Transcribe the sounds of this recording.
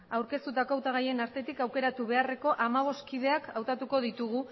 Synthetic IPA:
awɾke̞st̪ut̪ako̞awt̪aɣ̞aje̞naɾt̪e̞t̪ikawke̞ɾat̪uβ̞e̞are̞ko̞ʔamaβ̞o̞skiðe̞akawt̪at̪uko̞ð̞it̪uɣ̞u

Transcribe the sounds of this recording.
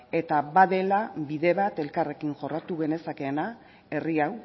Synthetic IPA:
e̞t̪aβaðe̞labiðe̞βat̪e̞lkare̞kiŋʝo̞rat̪uɣe̞ne̞sake̞ːna | e̞riaw

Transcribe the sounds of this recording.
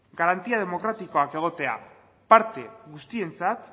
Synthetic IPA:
ɡaɾant̪iað̞e̞mo̞kɾat̪iko̞ake̞ɣ̞o̞t̪e̞a̰ | paɾt̪e̞ɣust̪ie̞nt͡sat̪

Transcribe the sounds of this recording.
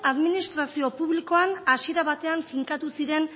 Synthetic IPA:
aðminist̪ɾasio̞puβliko̞anasie̞ɾaβat̪e̞anfiŋkat̪usiɾe̞n

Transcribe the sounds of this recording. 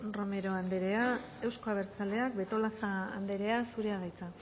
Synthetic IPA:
ro̞me̞ɾo̞and̪eɾe̞a | e̞wsko̞aβ̞e̞ɾt͡sale̞akbe̞t̪o̞lasa̰ːnd̪e̞ɾe̞asuɾe̞aðajt͡sa

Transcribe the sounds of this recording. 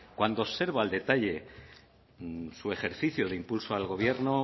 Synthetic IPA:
kwand̪oːse̞ɾβaːld̪e̞t̪aʎe̞ | sue̞xe̞ɾθiθjoðeimpulsoalɣo̞β̞je̞ɾno

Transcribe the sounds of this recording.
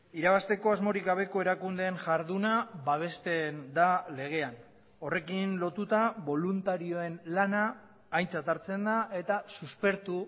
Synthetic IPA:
iɾaβast̪e̞ko̞azmo̞ɾikɡaβ̞e̞ko̞e̞ɾakund̪e̞ːnʝaɾðunaβaβ̞e̞st̪e̞nd̪ale̞ɣ̞e̞an | o̞re̞kinlo̞t̪ut̪aβo̞lunt̪aɾio̞e̞nlanaː | jnt͡sat̪aɾt͡se̞nd̪aʔe̞t̪asuspe̞ɾt̪u

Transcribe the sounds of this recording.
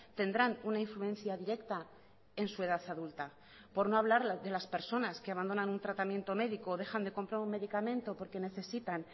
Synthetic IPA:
t̪e̞nd̪ɾanunaiɱfluẽ̞nθjaðiɾe̞kt̪a | e̞nsue̞ðaθaðult̪a | po̞ɾno̞aβlaɾðe̞laspe̞ɾso̞naske̞aβand̪o̞nanunt̪ɾat̪amje̞nt̪o̞me̞ðikoð̞e̞xand̪e̞ko̞mpɾaɾume̞ðikamẽ̞nt̪o̞po̞ɾke̞ne̞θe̞sit̪an

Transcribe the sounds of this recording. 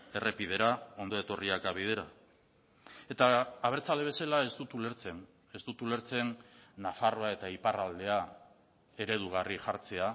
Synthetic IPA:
e̞re̞pið̞e̞ɾao̞nd̪o̞et̪o̞riakaβ̞ið̞e̞ɾa | e̞t̪aːβe̞ɾt͡sald̪e̞βe̞salae̞st̪ut̪uleɾt͡sen | est̪ut̪ule̞ɾt͡se̞nːafaro̞ae̞t̪aiparald̪e̞a | e̞ɾe̞ð̞uɣ̞ariʝaɾt͡se̞a

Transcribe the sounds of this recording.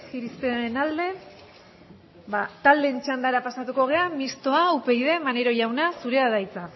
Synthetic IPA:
xiɾistenald̪e̞ | βat̪ald̪e̞nt͡ʃand̪aɾapasat̪uko̞ɣ̞e̞amist̪o̞aupe̞jðe̞mane̞ɾo̞ʝawnasuɾe̞aðajt͡sa

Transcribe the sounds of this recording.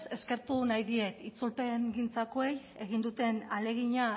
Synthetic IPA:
se̞ske̞ɾt̪unajðie̞t̪it͡sulpe̞ŋɡint͡sakoe̞j | e̞ɣind̪ut̪e̞nale̞ɣiɲa

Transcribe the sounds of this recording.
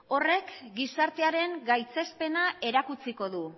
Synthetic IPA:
o̞re̞kɡisaɾt̪e̞aɾe̞ŋɡajt͡se̞spe̞nae̞ɾakut͡siko̞ðu

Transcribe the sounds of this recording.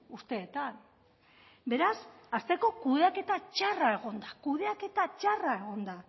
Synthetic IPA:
ust̪e̞ːt̪an | be̞ɾasast̪e̞ko̞kuðeake̞t̪at͡ʃarae̞ɣ̞o̞nd̪akuðe̞ake̞t̪at͡ʃarae̞ɣ̞o̞nd̪a

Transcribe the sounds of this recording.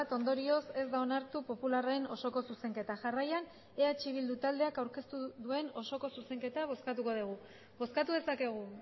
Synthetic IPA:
t̪o̞nd̪o̞ɾio̞se̞zd̪aonaɾt̪upo̞pularaeno̞so̞ko̞suse̞ŋke̞t̪aʝarajan | e̞at͡ʃiβ̞ild̪ut̪ald̪e̞akawɾke̞st̪uðue̞no̞so̞ko̞suse̞ŋke̞t̪aβ̞o̞skat̪̬uko̞ðiɣ̞u | bo̞skat̪uðe̞sake̞ɣ̞u

